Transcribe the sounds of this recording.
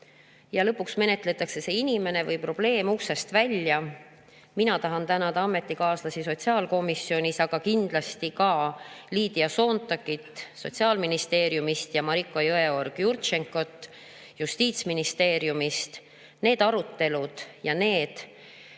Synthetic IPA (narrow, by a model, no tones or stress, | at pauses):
jɑlɤ̞pːˑuksme̞ne̞t̪ˑle̞t̪ːˑɑkse̞se̞inʲime̞ne̞vɤjpro̞b̥le̞ːmuhse̞st̪vælʲjɑ | minɑt̪ɑɦɑnt̪ænɑd̪ɑɑme̞t̪ːikɑːslɑsiso̞t̪ʲsiɑːlko̞misio̞nʲisɑɡ̥ɑkind̪̥lɑst̪ikɑːliːd̪̥iɑso̞ːnt̪ːˑɑkːit̪ːso̞̰t̪ʲsiɑːlminist̪e̞ːɾjumist̪jɑmɑɾikːˑo̞jɤe̞o̞rɡ̥jurt̪ʃeŋko̞t̪ːˑ | just̪iːt̪sminist̪e̞ːɾjumist̪ | ne̞ːd̪̥ɑɾut̪ːe̞lud̪̥jɑne̞ːd̪̥